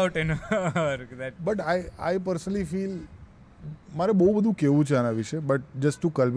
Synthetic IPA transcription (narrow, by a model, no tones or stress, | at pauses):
ʈenoɾd̪bəʈaja̰jp̬əɾsənəlifiːl | maɾɛbəɦubəd̪ʱũkeʋũt͡ʃʰeanaʋiʃebəʈ̚d͡ʒəsʈːukəlb